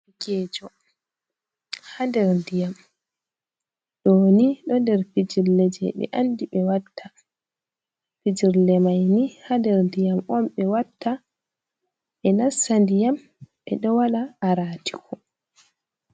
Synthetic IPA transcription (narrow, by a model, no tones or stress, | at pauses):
ikɛːd͡ʒɔ | handɛɾndijam | ɗɔniɗɔndɛɾpid͡ʒiɾlɛd͡ʒɛ̰ɓɛ̰ʔandiɓɛwatʰːa | fid͡ʒiɾlɛmajnihandɛɾndijamɔmɓɛwatʰːa | ʔɛnasːandijam | ɓɛ̰ɗɔwalaːɾaːti̥kʰɔ